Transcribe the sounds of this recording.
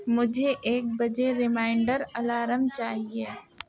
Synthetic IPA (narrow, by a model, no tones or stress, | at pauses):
mʊd͡ʒʱeʔeːk̚bɐd͡ʒeɾɪmaːɪɳɖəɾɐlaːɾəmt͡ʃaːɦieː